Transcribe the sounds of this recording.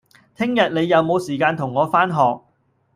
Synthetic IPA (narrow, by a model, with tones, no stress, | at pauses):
t̪ʰɪ˥ŋjɐ˨t̚ne˨˧jːɐ˨˧wmo˨˧wsiː˨˩kaː˧nt̪ʰʊ˨˩ŋːɔː˨˧faː˥nɦɔː˨k̚